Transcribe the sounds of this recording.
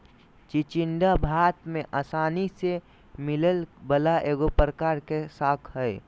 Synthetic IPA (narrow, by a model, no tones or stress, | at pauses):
t͡ʃit͡ʃɪnɖabʱaːt̪mẽʔaːsaːnise | mɪləlbəlaʔeːɡopɾəkaːɾkesaːkʰɦəe